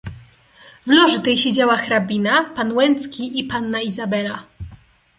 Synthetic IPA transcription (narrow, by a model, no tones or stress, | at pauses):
vlɔʐɘt̪ɛjɕed͡ʑawaxɾabʲinapanwɛnt̪skʲiʔipanːaizabɛla